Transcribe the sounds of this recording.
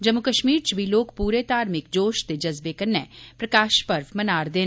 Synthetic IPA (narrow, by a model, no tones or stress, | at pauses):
d͡ʒəmːʊkəʃmiːɾt͡ʃbʱiloːkpuːɾeːt̪aːɾmɪk̚d͡ʒoːʃt̪eːd͡ʒəzbeːkənːɛːpɾəkaːʃpəɾʋmənaːɾd̪eː